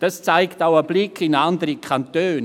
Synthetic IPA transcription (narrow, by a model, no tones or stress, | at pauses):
d̥ɑst͡saɪktaʊəblɪkʰɪnandəɾikʰantøːn